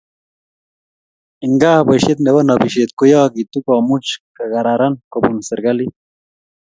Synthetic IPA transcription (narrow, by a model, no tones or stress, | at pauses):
iŋɡaːhbɐɕet̪newɐnɐbiɕeːt̪kujaːɡit̪ukaːmut͡ʃkɐɡɐɾaɾɐnkobunsiɾɡɐli